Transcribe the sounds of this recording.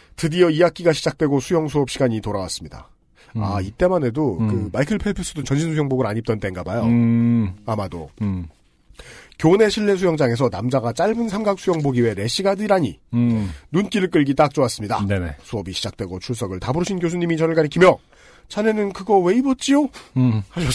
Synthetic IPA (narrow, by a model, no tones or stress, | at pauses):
tɯdiʌijak͈iɡaɕʰid͡ʑak̚t͈we̞ɡosʰujʌŋsʰuʌp̚ɕ͈ʰiɡaɲitoɾawa̰s͈ɯmɲida̰ | a̰it͈e̞mane̞dokɯmaikʰɯɭpʰepʰɯs͈ɯdot͡ɕʌnɕʰins̬ʰujʌŋboɡɯɾaɲip̚t͈ʌnt͈e̞nɡabajo | amado̰ | kjone̞ɕʰiɭːe̞s̬ʰujʌŋd͡ʑaŋe̞sʰʌnamd͡ʑaɡat͡ɕ͈aɭbɯnsʰamɡak̚s͈ʰujʌŋboɡiwe̞ɾe̞ɕ͈ʰiɡadɯɾaɲi | nunk͈iɾɯɭk̬͈ɯɭɡit͈ak̚t͡ɕ͈oas͈ɯmɲida̰nesʰuʌbiɕʰid͡ʑak̚t͈we̞ɡot͡ɕʰuɭs͈ʌɡɯɭtabuɾɯɕʰinkjos̬ʰuɲimit͡ɕʌnɯɭɡaɾikʰimjʌ | t͡ɕʰane̞nɯnkɯɡʌwe̞ibʌt̚t͡ɕ͈ijohaɕʰʌ